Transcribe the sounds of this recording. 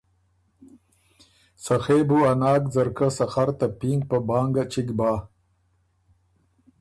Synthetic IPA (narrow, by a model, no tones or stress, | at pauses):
sɐxeːbuɐnɑːkd͡zɐɾkasɐxaɾt̪apiŋɡ̚pəbaːŋɡat͡ʃiɡbaː